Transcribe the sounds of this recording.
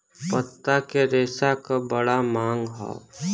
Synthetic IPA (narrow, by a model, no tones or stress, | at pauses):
pət̪ːakeɾeːsakabəɽamãːŋɡɦa̰